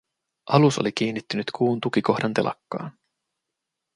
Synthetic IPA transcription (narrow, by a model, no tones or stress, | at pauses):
ʔɑluso̞̰lik̟iːnːit̪ːynyt̪kʰuːnt̪ukiko̞xdɑnt̪e̞lʔɑ̰kːɑ̰ːn